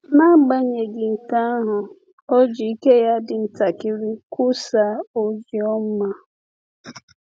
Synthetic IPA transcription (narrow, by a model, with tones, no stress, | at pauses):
na˦ɡ͡ba˦ɲe˨ɡɪ˨ŋ̩˨ka˦ɦʊ˨ | ɔ˦d͡ʒi˨i˦ke˦ja˦dɪ˨n̩˦ta˨kɪ˦ɾi˦ku˦sa˦o˦zjɔ˦m̩˦ma˦